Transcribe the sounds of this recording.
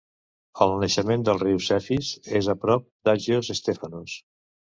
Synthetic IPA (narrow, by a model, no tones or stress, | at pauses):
əlˠnəʃəmend̪əlˠriwsɛfizezəpɾɔp̚d̪aʒiozəst̪efənus